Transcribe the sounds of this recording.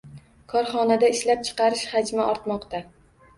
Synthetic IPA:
kʰɒɾχɒnad̪aɪʃlap̚t͡ʃʰɨ̥qɑɾɪʃhad͡ʒmaʔɒɾt̪mɒqt̪ʰa

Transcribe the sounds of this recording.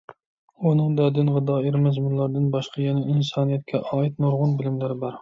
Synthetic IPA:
unɨŋd̪ɛd̪ɪnʁɨd̪ɑːeɾmɛzmunlˠɑɾd̪ɨnbɑʃqʰɑjɛnɛinsɑːnijɛt̪̚kʲʰɛʔɑːit̪̚noɾʁʊnbɪlɪmlæɾɪbɑɾ

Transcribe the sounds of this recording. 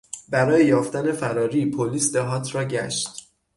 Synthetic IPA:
bæɾɒːjejɒːft̪æne̞fæɾɒːɾiːpʰoliːsd̪eɦɒːt̪ʰrɒːɟæʃt̪

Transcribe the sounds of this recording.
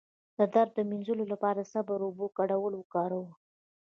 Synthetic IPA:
d̪̥əd̪aɾd̪ːəminzəlolapɑɾasabaɾobokaɽawəlwəkɑɾawə

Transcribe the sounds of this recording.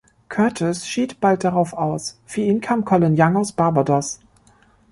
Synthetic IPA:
kʰœɐtʰɔsʃiːtb̥alt̚d̥aʁaʊfaʊsfyːɐʔiːnkʰaːmkʰɔlɪnjaŋaʊsb̥aɐbadɔs

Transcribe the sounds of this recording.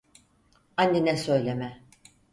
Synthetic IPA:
anːinɛsø̞jlʲemɛ

